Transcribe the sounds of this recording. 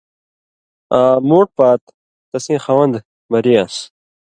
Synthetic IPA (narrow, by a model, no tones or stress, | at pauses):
ãːmoːʈ̚paːt̪ː | ɐsĩːxawɐnd̪ | mɐɾijas